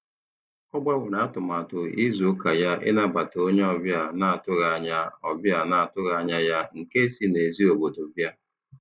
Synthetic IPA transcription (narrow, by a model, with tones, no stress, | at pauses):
kɔ˦ɡ͡ba˦wʷʊ˨na˨˦tʊ˨ma˨tʊ˨i˦zu˨˦ka˨ja˦ʔɪ̰˦na˦ba˨to˦ɲ˦ɔ˦bja˨na˨a˨tʊ˦ɣa˨ɲa˦ɔ˨bja˨na˨a˨tʊ˦ɣa˨ɲa˦ja˦ŋ̩˨ke˦si˦ne˨zi˦o˨bo˨do˨bja˦˨